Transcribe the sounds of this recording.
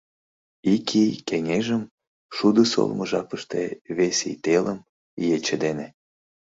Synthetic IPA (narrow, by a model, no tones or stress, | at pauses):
ikʰikeŋeʒəm | ʃud̪əso̰lməʒɑpəʃt̪eβesḭt̪eləm | jet͡ɕəd̪ene